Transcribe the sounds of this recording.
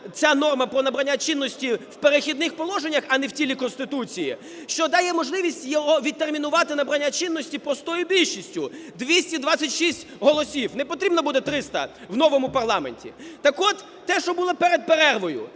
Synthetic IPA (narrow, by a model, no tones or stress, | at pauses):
t͡sʲanɔrmɐpɾɔnɐbɾɐnʲːat͡ʃɪnːɔsʲtʲiwpeɾexʲid̪nɪxpɔlˠɔʒenʲːɐxɐnɛwt͡sʲilʲikɔnst̪ɪt̪ut͡sʲijḭ | ʃt͡ʃɔd̪ɑjɛmɔʒlˠɪʋʲisʲtʲjɔɦɔʋʲid̪̚t̪ːermʲinʊʋɑt̪ɪnɐbɾɐnʲːat͡ʃɪnːɔsʲtʲipɾɔst̪ɔjʊbʲilʲʃisʲtʲʊd̪ʋʲisʲtʲid̪ʋat͡sʲːɐtʲʃisʲtʲɦɔlˠɔsʲiwnɛpɔt̪ɾʲibnɐbud̪ɛt̪ɾɪst̪ɐ̰wnɔʋɔmʊpɐrlˠɑmḛnʲtʲḭt̪ɐkɔt̪ːɛʃt͡ʃɔbulˠɔpɛɾed̪̚peɾɛrʋɔjʊ̰